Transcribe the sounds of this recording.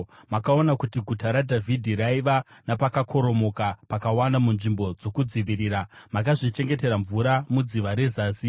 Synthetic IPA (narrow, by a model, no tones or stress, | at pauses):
makao̞nakutiɡʱutaɾadʱavʱidʱiraiʋanapakakʰo̞ɾo̞mo̞kapakawandamunʐimbo̞d͡zo̞kud͡ziʋiɾiːramakaʐit͡ʃe̞ŋɡe̞te̞ɾaɱvuɾamud͡ziʋaɾe̞zaːsi